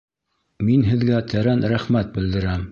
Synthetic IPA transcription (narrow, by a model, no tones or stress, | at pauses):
minɦɘ̆ðɡæt̪ʰæɾænɾæχmæt̪̚bɘ̆ld̪ɘ̆ɾæm